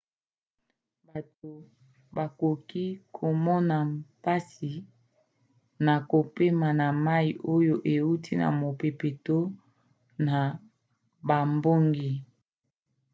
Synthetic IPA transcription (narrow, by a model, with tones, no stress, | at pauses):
ba˨to˨ | ba˨ko˨ki˦kʰo˨mɔ˦na˨mpa˦si˨ | na˨ko˨pe˦ma˨na˨ma˦i˨ʔo˦jo˦ʔe˨wu˦tʰi˦na̰˨mo˨pe˨pe˨to˦ | na˨ | ba˨mbo˦ŋɡi˨